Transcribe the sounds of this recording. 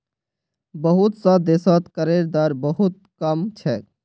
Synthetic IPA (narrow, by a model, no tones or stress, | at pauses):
bəɦut̪sə̃d̪esət̪kəɾeɾd̪aɾbəɦut̪̚kəmt͡ʃʰɛ